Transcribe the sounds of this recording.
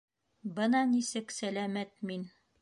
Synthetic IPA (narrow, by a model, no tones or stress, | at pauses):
bɤnɑnisɘksælæmæt̪̚min